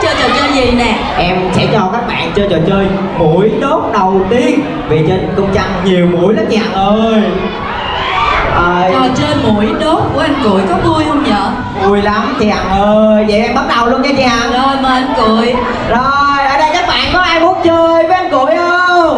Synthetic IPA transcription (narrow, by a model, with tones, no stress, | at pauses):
t͡ɕəː˧jt͡ɕɔ˨˩t͡ɕəː˧jzi˨˩nɛ˨˩ | ʔɛ˧msɛ̰˧˥t͡ɕɔ˧kaː˦˥k̚ɓa̰ː˧˨nt͡ɕəː˧jt͡ɕɔ˨˩t͡ɕəː˧j | mu˧˥˩əjɗo˦˥k͡p̚ɗə˨˩wt̪i˧˦ən | vi˨˩t͡ɕə˧n˨˩kʊ˧wŋ͡mt͡ɕa˧˩ŋɲi˨˩əwmu˧˩˦əjla˨˦t͡ɕa˨˧˨a˨˩ŋʔəː˧j | əː˧˨˩jɔ˨˩t͡ɕəː˧jmu˧˩əjɗo˨˦˥t̚ku˧˩əʔa˧jnkṵ˧˩əjkɔ˨˦t̪u˧əjhu˧nɲə̰ː˧˨ | mu˧əjla˨˦mt͡ɕi˧˨a˨˩ŋʔəː˧jvə̰˨˩ʔɛ˧mɓa˦˥t̚ɗə˨˩wlu˧ənkaː˧˩t͡ɕi˧˨ʔa˨˩ŋʔəː˧jmə˨ʔə˧nku˧˩˨əj | zo˨˩jʔəː˨˩ɗə˧jkaː˦˥k̚ɓa̰ː˧˨nkɔ˨˦ʔaː˧jɓo˨˦˥ŋ͡mt͡ɕəː˧jvə˨˦ʔa˧nku˧˨əjʔə˧